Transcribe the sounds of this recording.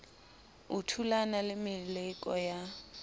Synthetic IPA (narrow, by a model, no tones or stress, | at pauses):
utʰulanalɪmɪlɪkʼɔja